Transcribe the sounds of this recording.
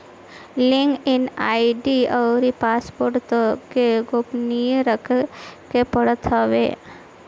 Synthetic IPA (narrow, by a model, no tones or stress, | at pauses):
lɪŋɡɪnaːiɖiɔːɾipaːspoːɾʈt̪keɡoːpnijɾəkʰkepəɽət̪ɦaʋḛ